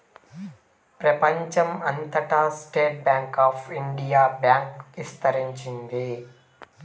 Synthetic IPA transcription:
pɾɐpɐɲt͡ʃɐmɐnt̪ʰɐʈaːsʈeːʈ̚bjaːŋkaːfʰiɳɖijaːbjaːŋkist̪ʰɐɾiɲt͡ʃind̪eː

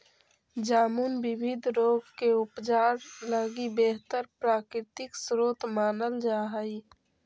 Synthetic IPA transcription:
d͡ʒaːmunbɪbʱɪd̪ʱɾoːɡkeʊpd͡ʒaːɾləɡibeːɦt̪əɾpɾaːkɾɪt̪ɪksɾoːt̪maːnəld͡ʒaːɦəi

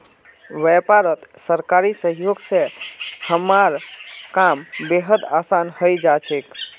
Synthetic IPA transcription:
ʋɛpaɾət̪səɾkaɾisəɦjoɡsẽhəmːaɾkambeɦəd̪asanhəjd͡ʒat͡ʃʰek

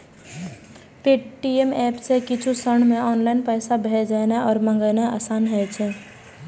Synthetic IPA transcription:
peʈiemɛːpsekɪt͡ʃʰusəɳ̤meɔːnlaɪnpəɪsabʱɛd͡ʒajnaɔːɾmãŋɡənaasaːnɦɛt͡ʃʰɛ

